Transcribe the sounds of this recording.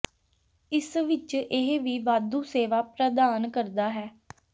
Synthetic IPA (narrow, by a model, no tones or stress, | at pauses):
ɪsʋɪt͡ʃɪɦʋiːʋaːd̪uːseːʋaːpɾəd̪aːnkəɾd̪aːɦɛː